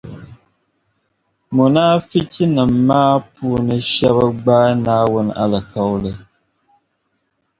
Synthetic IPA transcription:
mu˨naː˦fi˦ci˦nɨ˨m̩ː˨aː˦pʰuː˦nɨ˦ʃɛ˦βa˦ɡ͡ba˦naː˦wʊ˦n˦a˦lɨ˨ka˦wlɨ˨

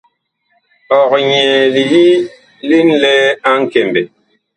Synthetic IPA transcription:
ɔ˨kɲɛ˨li˨ji˦ | li˦n̩˦lɛ˦a˦ŋ̩˦˨ke˨mbe˨

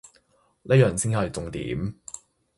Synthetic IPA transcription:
lʔɛː˥jœː˨˩ŋsi˥ŋhɔ˨˩˨t͡sʊ˨˧ŋt̪ḭː˨˦˥m

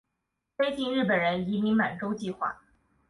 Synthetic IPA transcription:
fe˥ɪt͡ɕi˥˧nɻɻ̩˥˩pə˨˩ɻə˧˥ni˧˥mi˧˥ŋma˨˩nʈ͡ʂo˥ʊt͡ɕi˥˧xwa̰˥˩

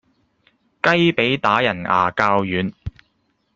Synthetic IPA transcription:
kɐ˥jpe˨˥jt̪aː˨˥jɐ˨˩na̰ː˨˩kaː˧wjyː˨˥n

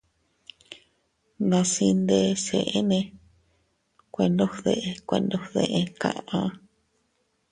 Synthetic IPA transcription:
nã˧si˧nd̪e˧se˨ʔe˦nẽ˧ | kʷe˧nd̪o˦hðe˧ʔe˧kʷe˧nd̪o˦hðḛ˧ʔe˧kã̰˧ʔã˧˦

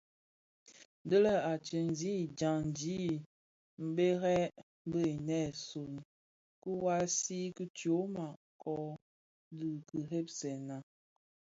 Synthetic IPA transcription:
də˦lə˦a˨t͡ʃə˨n˨zi˦˨d͡ʒa˨ŋn˨d͡ʒi˦ | m̩˨be˦ɣɛ˦ | bə˦˨i˨nɛ˦˨so˨n˨ | kə˦wa˦si˦kə˦tjo˨˦ma˨ | kʰɔ˦ | dɨ˨kə˨ɦe˦p̚sɛ˨na˨

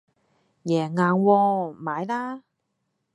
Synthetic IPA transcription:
jɛː˨˩ŋaː˨˧nwɔː˧maː˨˧jlaː˥

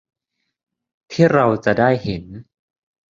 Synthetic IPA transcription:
t̪ʰiː˥˩ɾa˧wt͡ɕa˨˩daː˥˩jhe˩˦n

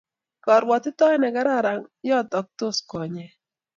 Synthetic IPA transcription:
kɔ˨ɾwɔ˨t̪ɪ˦tɔ˦ɛ˦nɛ˨ɡa˨˦ɾa˦˨ɾa˨ŋjɔ˦tɔ˨k̚t̪o˦skɔ˨ɲɛ˨

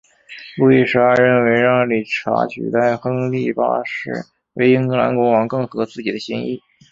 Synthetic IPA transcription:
lu˥˧i˥˩ʂ̩˥ə˧ɻə˥˩nwe˧˥ɪɻɑ˥˩ŋli˨˩ʈ͡ʂʰa̰˧˥t͡ɕʰy̰˨˩t̪a˥˩ɪxɤ˥ŋli˥˩pa̰˥ʂɻ̩˥˩ | we˧˥˩ɪi˥ŋkɤ˧˥la̰˧˥nkʊ˧˥ŋwɑ˧˥ŋkɤ˥˩ŋxɤ˧˥t͡sɹ̩˥˩t͡ɕi˨˩d̪ə˦ɕi˥ŋḭ˥˩

